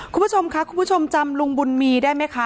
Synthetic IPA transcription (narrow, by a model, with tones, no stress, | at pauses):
kʰu˧mpu˦˥t͡ɕʰo˧mkʰa˦˥kʰu˧mpʰu˥˩t͡ɕʰo˧mt͡ɕa˧mlu˧ŋbu˧nmiː˧daː˥˩jma˦˥jkʰa˦˥